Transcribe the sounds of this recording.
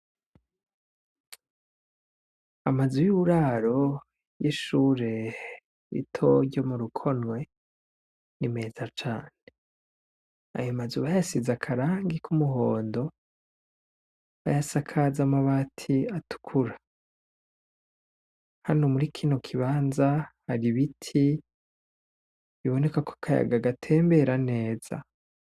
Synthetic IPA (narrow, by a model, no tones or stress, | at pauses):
amazujuβuɾaɾo̞ | jiʃuːɾe̞ | ḭtʰo̞ɾɟo̞muɾukʰo̞nŋwe̞ | nime̞ːzat͡ʃaːne | a̰jomazuβajasizakʰaɾaːŋɡikʰumuɦoːndo̞ | βa̰jasakʰazamaβatʰiatu̥kʰuɾa | hanomuɾikʰino̞kʰiβaːnzahaɾiβitʰi | βiβo̞ne̞kako̥kʰaja̰ɡaɡatʰe̞ːmbe̞ɾane̞ːz̥a̰